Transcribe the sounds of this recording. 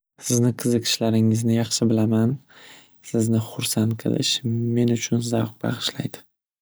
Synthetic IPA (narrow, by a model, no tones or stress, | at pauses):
sɪznɪqʰɨzɨkʃlaɾɪŋɪznɪjɑχʃɪbɪlaman | sɪznɪχʊɾsant̪qʰɨ̰lɪ̰ʃme̞nʊt͡ʃʰʊnzɑwq̚bɑ̰ʁɨʃla̰jd̪ɪ̥